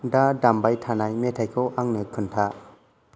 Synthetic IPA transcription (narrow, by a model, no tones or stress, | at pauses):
dadambajtʰanajmɛtʰajkʰoʔaŋnɯkʰɯntʰa